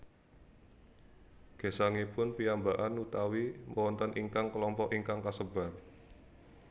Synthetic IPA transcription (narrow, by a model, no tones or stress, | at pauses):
ɡ̥e̤saŋipʊnpiambaʔanut̪awiməwɔnt̪ɔnʔiŋkaŋkəlɔmpɔʔiŋkaŋkasəba̤r